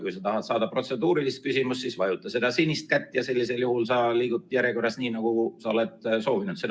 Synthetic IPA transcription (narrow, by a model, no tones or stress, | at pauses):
kujsɑt̪ɑɦɑt̪sɑːd̪̥ɑpro̞t̪se̞d̪uːɾilist̪̚kysʲimust̪sisvɑjut̪ːˑɑse̞d̪̥ɑsinːist̪̚kæt̪ːˑjɑse̞lʲːise̞ljuhulsɑliːɡut̪ːˑjæɾjeko̞rːɑsniːnɑɡ̥usɑo̞le̞t̪so̞ːvinud̪se